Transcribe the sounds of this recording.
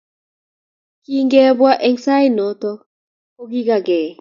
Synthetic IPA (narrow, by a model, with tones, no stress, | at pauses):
ki˦ŋɡɛ˦bwa˦ʔɛ˦ŋsa˦i˦nɔ˨t̪ɔ˦ | o˦ɡi˦ɡa˨ɡɛ˨